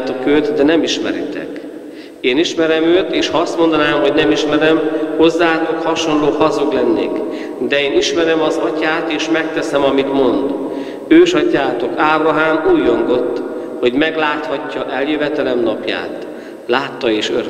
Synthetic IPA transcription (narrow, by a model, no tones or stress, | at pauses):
t̪okøːt̪d̪ɛnɛmiʃmɛ̰ɾḭt̪ʰɛ̰k | eːniʃmɛɾɛmøːt̪eːʃhɒɒst̪mo̞nd̪ɒnaːmɦo̞ɟnɛmiʃmɛɾɛmho̞zːaːt̪o̞khɒʃo̞nloːhɒzoɡlɛnːḛːk | d̪ɛeːniʃmɛɾɛmɒzɒcaːt̪eːʃmɛk̚t̪ɛsɛmɒmit̪mo̞nd̪ | øːʃɒcaːt̪o̞kaːbrɒɦaːmuːjoŋɡo̞t̪ː | ho̞ɟmɛɡlaːt̪hɒcːɒʔɛljøvɛt̪ɛlɛmnɒpja̰ːt̪ | laːt̪ːɒeːʃø̰ɾ